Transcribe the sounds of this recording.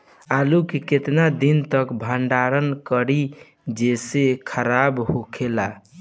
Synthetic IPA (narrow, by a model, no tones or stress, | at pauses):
alukiket̪nad̪int̪əkbʱəɳɖaɾənkəɾi | d͡ʒesekʰəɾabhokʰela